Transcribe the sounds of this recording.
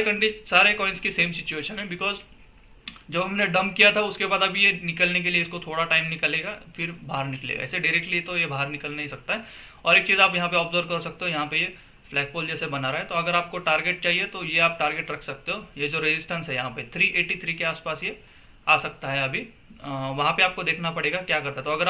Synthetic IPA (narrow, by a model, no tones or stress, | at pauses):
kɐ̃ɳɖɪsaːɾekɔːɪnskiseːmsɪt͡ʃueːʃə̃nɦɛbɪkɔːz | d͡ʒɐbɦɐmneɖɐ̃mbkijat̪ʰaʊskebaːd̪ɐbʱijenɪkəlnek̬elieɪskot̪ʰoːɽaʈaːɪmnɪkəleːɡafɪɾbʱaːəɾnɪklḛːɡa̰ɪseɖaɪɾɛːk̚ʈliet̪ojebʱaːəɾnɪkəlnaɦĩsɐk̚t̪aɦɛ | ɔːɾeːk̚t͡ʃiːzaːpjɐɦãpeɔːpzoːɾkɐɾsɐk̚t̪eɦõjɐɦãpeje | flɛːk̚foːld͡ʒɛːsebɐnaɾaɦɛ̃t̪oɐɡəɾaːp̚koʈaːɾɡeːʈ̚t͡ʃaːɦiet̪ojeaːp̚ʈaːɾɡeːʈɾɐkʰsɐk̚t̪eɦoːjed͡ʒoːɾɪzɪsʈə̃nsɦɛjɐɦãpet̪ʰɾiːʔeːʈit̪ʰɾiːkeaːspaːsje | aːsɐk̚t̪aɦɛɐbʱi | ʋɐɦãpeaːp̚kod̪eːkʰnapɐɽeːɡakjaːkɐɾt̪aɦɛt̪oɐɡəɾa